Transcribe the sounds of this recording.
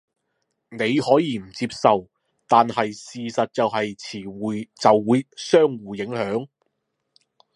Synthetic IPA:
ne˨˧jhɔː˨˥jiː˨˧m̩˨˩t͡siː˧˥p̚sɐ˨w | t̪aː˨nhɐ˨jsiː˨sɐ˨t̚t͡sɐ˨wɦɐ˨jt͡sʰiː˨˩wuː˨jt͡sɐ˨wːuː˨˧jsœː˥ŋwuː˨jɪ˨˥ŋhœː˨˥ŋ

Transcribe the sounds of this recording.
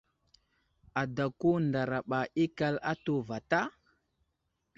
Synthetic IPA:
a˨da˨ku˦nda˨ɾa˨ɓa˨ʔi˦ka˦la˦to˨va˨ta˦

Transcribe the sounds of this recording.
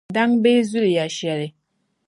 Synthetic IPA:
da˦ŋbe˦zu˦lja˨ʃɛ˨ɾe˨

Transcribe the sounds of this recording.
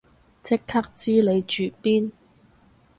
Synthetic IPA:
t͡sʰɪ˥kʰːɐ˥k̚t͡siː˥le˨˧jt͡ʃyː˨˩piː˥n

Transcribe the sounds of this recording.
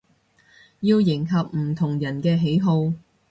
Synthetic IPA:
jiː˧wjɪ˨˩ŋkʰɐ˨p̚m̩˨˩t̪ʰʊ˨˩ŋjɐ˨˩nkɛː˧ɦe˨˥jɦo˧w

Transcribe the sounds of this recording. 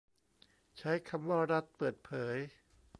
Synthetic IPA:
t͡ɕʰa˦˥jkʰa˧mwaː˥˩ɾa˦˥t̪̚pɤː˨˩t̪̚pʰɤː˩˦j

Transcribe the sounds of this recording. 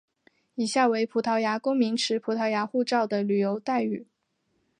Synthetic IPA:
i˨˩ɕja˥˩we˧˥ɪpʰu˨˧˥t̪ʰɑ˧˥ʊja˧˥kʊ˥ŋmi˧˥ŋʈ͡ʂʰɻ̩˧˥pʰu˧˥t̪ʰɑ˧˥ʊja˧˥xu˥˧ʈ͡ʂɑ˥˩ʊd̪ə˩ly˨˩jo˧˥ʊt̪a˥˩ɪy˨˩˦

